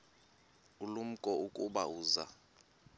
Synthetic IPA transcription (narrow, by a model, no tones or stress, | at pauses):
ulum̩kʼɔukʼuɓauːza̰